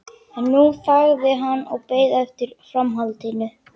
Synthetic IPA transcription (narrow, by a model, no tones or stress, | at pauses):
ɛnːufaɣðɪɦanːɔɣpeːjðɛft̪ɪɾ̥fɾamɦalt̪inʏ